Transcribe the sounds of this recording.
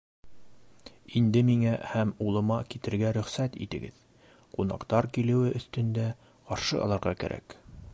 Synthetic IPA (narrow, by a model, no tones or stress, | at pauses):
ind̪ɘmiŋæhæmulˠɤ̆mɑkit̪ɘ̆ɾɡæɾɵ̆χsæt̪ḭt̪ɘ̆ɡɘ̰ð | qunɑ̰qt̪ɑɾkilɘ̆wɘʔɵ̆θt̪ɵ̆nd̪æ | qɑɾʃɤ̰ɑ̰lˠɑɾʁɑkæ̰ɾʔæ̰k